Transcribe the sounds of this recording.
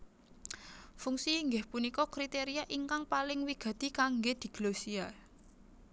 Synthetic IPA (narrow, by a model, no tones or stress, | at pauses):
fuŋsiːŋɡɪhpunikɔkɾit̪eɾiaʔiŋkaŋpalɪŋwiɡ̥ä̤d̪̥i̤kaŋɡed̪̥i̤ɡ̥losia